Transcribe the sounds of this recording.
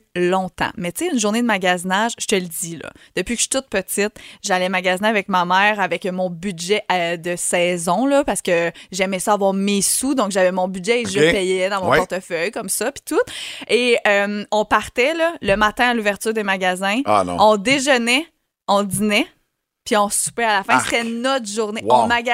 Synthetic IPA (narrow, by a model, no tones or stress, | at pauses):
lɔ̃t̪ɑ̰̃mɛt̪t͡seynʒuʁned̪əmaɡʲazinaʒʒə̥t̪əld̪d͡z̪ilɔ̰ | d̪̥əpɥikə̥ʃy̥t̪ʊt̪̚pət̪ɪt̪ʒalɛmaɡʲazineavɛkmamɛːʁavɛkmɔ̃bydʒɛd̪əsɛːzɔ̃lʌpaʁsə̥kəʒɛmɛsʌavwaːʁmesud̪ɔ̃kʒavɛmɔ̃bydʒɛeʒəpɛjɛd̪ɑ̃mɔ̃pɔʁt̪əfœjkʌmsʌpi̥t̪ʊt̪eœmɔ̃paʁt̪ɛlʌləmat̪ɛ̃aluvɛʁt̪yːʁd̪emaɡʲazɛ̰̃ɔ̃d̪eʒənɛ | ɑ̃d̪inɛ | piɔ̃sy̥pɛalafɛ̃st̪ɛnɔt̪χʒuʁnewɔ̃maɡ